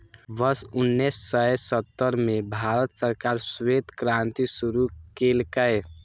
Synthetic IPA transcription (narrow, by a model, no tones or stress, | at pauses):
bəɾsunːɛsːəjsət̪ːəɾmebʱaɾət̪səɾkaɾset̪kɾant̪isuɾukelkəj